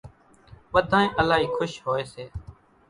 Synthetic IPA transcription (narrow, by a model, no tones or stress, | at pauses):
ʋəd̪ʱãːẽːʔəlaːɦiːkʰʊʃɦoːeːseː